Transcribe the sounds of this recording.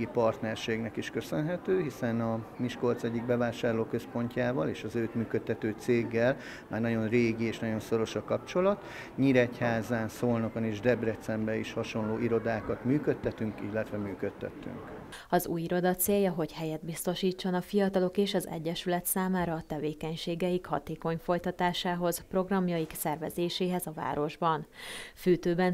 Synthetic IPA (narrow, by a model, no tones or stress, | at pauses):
ipɒrt̪nɛrʃeːɡnɛkiʃkø̞sønɦɛt̪øːɦisɛnɒmiʃko̞lt̪sɛɟːiɡ̚bɛvaːʃaːrloːkø̞spo̞ɲcaːvɒleːʃɒzøːt̪myːkøt̪ʰːɛt̪øːt̪seːɡːɛl | maːrnɒɟo̞nreːɡieːʃnɒɟo̞nso̞ɾo̞ʃɒkɒpt͡ʃo̞lɒt̪ | ɲiɾɛchaːzaːnsoːlnɒkoneːʒd̪ɛbrɛt̪sɛmbɛiʃhɒʃo̞nloːʔiɾo̞d̪aːkɒt̪myːkøt̪ʰːɛt̪yŋkilːɛt̪ʋɛmyːkøt̪ʰːɛ̰t̪ːy̰ŋk | ɒzṵːjiɾo̞d̪ɒt̪seːjːɒɦo̞ɟhɛjɛd̪̚bist̪o̞ʃiːt͡ʃːo̞nɒfijɒt̪ɒlo̞keːʃɒzɛ̰ɟːɛʃylɛt̪saːmaːɾɒːt̪ɛveːkɛɲʃeːɡɛjikhɒ̰t̪eːko̞ɲfo̞jt̪ɒt̪aːʃaːɦo̞zpro̞ɡrɒmjɒjiksɛrvɛzeːʃeːɦɛzɒva̰ːɾo̞ʒbɒnfyːt̪øːbɛn